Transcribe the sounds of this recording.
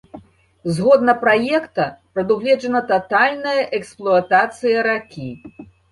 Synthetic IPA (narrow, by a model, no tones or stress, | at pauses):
zɣɔd̪nɐpɾajɛkt̪ɐpɾɐd̪uwlʲɛd͡ʐɐnɐt̪at̪alʲnɐjɐʔɛksplˠuɐt̪at̪sɨjɐɾakʲi